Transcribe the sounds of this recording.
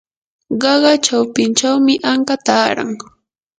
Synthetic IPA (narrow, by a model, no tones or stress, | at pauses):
ɢɑɢɑt͡ʃawpɪnt͡ʃawmɪʔaɴkat̪aːɾa̰ŋ